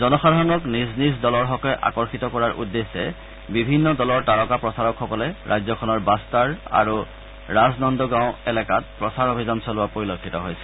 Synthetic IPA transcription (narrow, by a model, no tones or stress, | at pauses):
zɔnɔsadʱaɹɔnɔknisnis̬dɔlɔɹxɔkɔjʔa̰kɔɹxitɔkɔɹaɹʔṵdːesːɛ | bibʱinːɔdɔlɔɹtaɹɔkapɹɔsaɹɔkxɔkɔlɛɹajzɔkʰɔnɔɹbastaɹa̰ɹu | ɹaznɔndɔɡãʊ̃ɛlɛkat̚pɹɔsaɹobʱizansɔlʊapoɹilokʰːitɔɦojsɛ̥